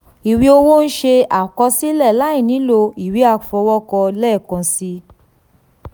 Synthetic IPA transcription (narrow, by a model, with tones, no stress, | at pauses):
i˨wi˧o˧wo˦n̩˦ʃe˧a˨kɔ˧si˦lɛ˦˨la˦ĩ˦˨nĩ˨˦lo˧i˨wi˨˦a˦˨fɔ˧wɔ˦kɔ˧lɛ˦˨kɔ̃˨˧si˧